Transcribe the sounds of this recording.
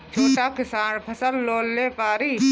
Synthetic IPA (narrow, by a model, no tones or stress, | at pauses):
t͡ʃʰoːʈaːkɪsaːɳpʰəsəlːoːlːeːpaːɾiː